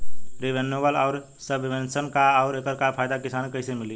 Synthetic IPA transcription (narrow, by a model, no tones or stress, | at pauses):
ɾiʋenobəlaʊɾ | səbiʋensənkaːʊɾekəɾkapʰaɪd̪akɪsaːnkəɪsemɪli